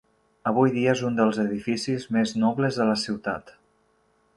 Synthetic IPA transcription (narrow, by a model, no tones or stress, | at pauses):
əβ̞ujðiəezund̪əlˠzəðifisizmeznɔβləzðələsiwt̪a̰t̪